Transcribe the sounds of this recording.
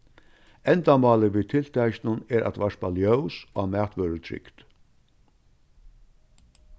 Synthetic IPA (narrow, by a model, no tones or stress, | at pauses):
ɛnt̪amɑːləviːt̪ʰɪlt̪ʰæjɕnənɛɾʔa̰t̪ʋaʂpaljœwsamæːt̪ʋœːɾət̪ʰɾɪ̰kt̪